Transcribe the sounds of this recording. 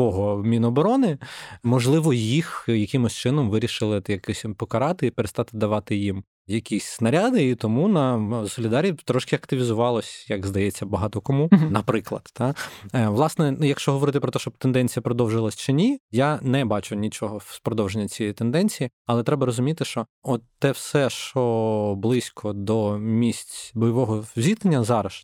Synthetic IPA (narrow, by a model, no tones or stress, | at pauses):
ɔɦɔmʲinɔbɔɾɔnɪmɔʒlˠɪʋɔjixjɐkʲɪmɔsʲt͡ʃɪnɔmʋɪɾʲiʃɪlˠɪjɐkɛsʲpɔkɐɾɑt̪ɪipeɾest̪ɑt̪ɪd̪ɐʋɑt̪ɪjim | jɐkʲisʲsnɐɾʲad̪ɪit̪ɔmunɐsɔlʲɪd̪ɑɾʲit̪ɾɔʃkɪɐkt̪ɪʋʲizʊʋɑlˠɔsʲjɐkzd̪ɐjɛt͡sʲːɐbɐɦɑt̪ɔkɔmunɐpɾɪklˠɐ̰d̪̥ːɑʋlˠɑsnɛjɐkʃt͡ʃɔɦɔʋɔɾɪt̪ɪpɾɔt̪ɛʃt͡ʃɔb̚t̪end̪ɛnʲt͡sʲijɐpɾɔd̪ɔwʒɪlˠɐsʲt͡ʃɪnʲijanɛbɑt͡ʃʊnʲit͡ʃɔɦɔspɾɔd̪ɔwʒenʲːɐt͡sʲijit̪end̪ɛnʲt͡sʲijiɐlˠɛt̪ɾɛbɐɾɔzʊmʲit̪ɪʃt͡ʃɔɔt̪ːɛwsɛʃt͡ʃɔblˠɪsʲkʰɔd̪ɔmʲisʲtʲbɔjɔʋɔɦɔzʲit̪enʲːɐzɑɾɐʃ